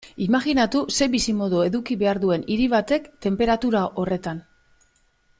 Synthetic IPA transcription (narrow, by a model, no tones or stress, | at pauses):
imaɣinat̪use̞βisimo̞ðue̞ðukiβe̞aɾðue̞niɾiβ̞at̪e̞kt̪e̞mpe̞ɾat̪uɾaʔo̞re̞t̪an